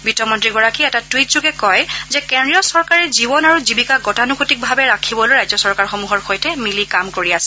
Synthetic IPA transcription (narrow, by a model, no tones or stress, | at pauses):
bitɔmɔntɹiɡɔɹakiɛtatwitzuɡɛkɔjzɛkɛndɹijɔsɔɹkaɹɛzibɔnaɹuzibikaɡɔtanukutik̚bʱabɛɹakʰibɔlojɹajzɔsɔɹkaɹxomuɦɔɹxojtɛmilikamkoɹiasɛ̥